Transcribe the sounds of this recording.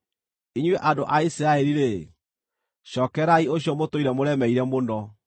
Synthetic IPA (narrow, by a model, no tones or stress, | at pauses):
iɲweʔadoʔaisiɾaeɾiɾe | ɕɔːkɛɾaioɕijɔmotoiɾɛmoɾɛmɛiɾɛmondɔ